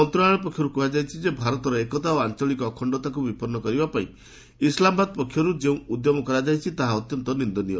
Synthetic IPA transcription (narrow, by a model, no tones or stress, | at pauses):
ɔnt̪ɾaɭ̃ɔpɔkʰːjɔɾukuɦad͡ʒajt͡ʃʰid͡ʒebʱaɾɔt̪ɔɾɔekɔt̪aoant͡ʃɔɭikɔːkʰɔɳɖɔt̪akubipɔɾnːɔkɔɾibapaḭ̃ | islambad̪̚pɔkʰːjɔɾud͡ʒeũud̪jɔmɔkɔɾad͡ʒajt͡ʃʰit̪aɦaɔt̪jɔnt̪ɔnind̪ɔnijɔ